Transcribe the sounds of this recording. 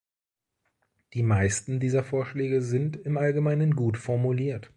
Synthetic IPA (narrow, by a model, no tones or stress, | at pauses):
d̥iːmaɪstn̩diːzɐfoːɐʃlɛːɡəzɪntɪmʔalɡəmaɪnənɡuːtfɔɐmuliːɐt